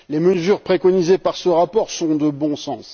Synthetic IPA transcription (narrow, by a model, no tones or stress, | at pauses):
leməzyʁpχekɔnizepaʁsəʁapɔʁsɔ̃d̪əbɔ̃sɑ̃s